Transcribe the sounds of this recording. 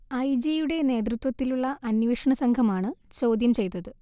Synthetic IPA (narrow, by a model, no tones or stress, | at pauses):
ɐjd͡ʑejuɽe̞ne̞ːt̪rɨt̪wɐt̪ːiluɭːɐʔɐnʋeʂɐɳɐsɐŋɡʰʱɐmaːɳɨt͡ɕoːd̪jɐmt͡ɕe̞jt̪ːɐðɨ